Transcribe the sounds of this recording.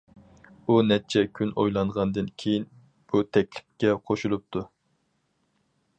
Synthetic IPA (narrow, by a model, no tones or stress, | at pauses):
unɛt͡ʃʰɛkʲʰynʔojlˠɑɴʁɑnd̪ɨnkʲʰejin | b̥ut̪ʰɛk̚ʲlɪp̚kʲɛqʰoʃulˠup̚t̪ʰu